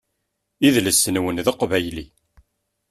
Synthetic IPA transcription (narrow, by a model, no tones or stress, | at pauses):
iðləsːənwənðəqvæjli